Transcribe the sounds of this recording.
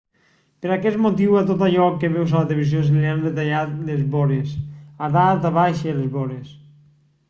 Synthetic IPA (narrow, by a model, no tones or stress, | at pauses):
peɾakɛt̪mot̪iwat̪ot̪aʎɔkːeβɛwsalat̪eleβiz̬josleand̪et̪aʎat̪lezβɔɾesaðat̪aβaʃelezβɔɾes